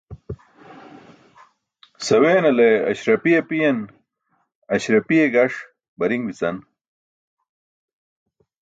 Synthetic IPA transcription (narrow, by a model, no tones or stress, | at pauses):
sɐweːnɐleɐ̰ɕɾɐpiepijɐn | ɐɕɾɐpijeɡɐʂ | bɐɾiŋbit͡sɐn